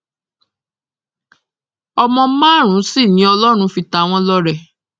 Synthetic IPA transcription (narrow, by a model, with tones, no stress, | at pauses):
ɔ˧mɔ̃˧˦mãː˦˨ɾ̃ũ˨˦si˦˨nĩ˨˦ɔ˧lɔ˦ɾ̃ũ˧fi˧ta˧˦w̃ɔ̃˦lɔ˦ɾɛ˨